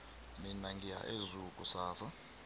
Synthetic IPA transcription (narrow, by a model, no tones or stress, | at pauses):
minaŋɡija̰ʔezukʼusaːsa